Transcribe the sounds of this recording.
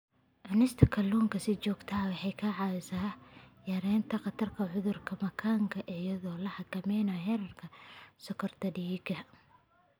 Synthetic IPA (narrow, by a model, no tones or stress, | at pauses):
ʕʊnɪst̪ʰɐkʰɐlːuːŋkʰɐsɪt͡ʃɔːɡt̪ʰɐɦɐwɑħɑjkʰɐʕɑɪsaːjɐɾɛːnt̪ʰɐqɑt̪ʰɐrkʰɐʕʊðʊrkʰɐmɐkʰaːŋkʰɐʔijɐðɔːlɐħɑkʰɐmɛjnɐɦɛɾɐrkʰɐsɔkʰɔrt̪ʰɐɖiːɡɐ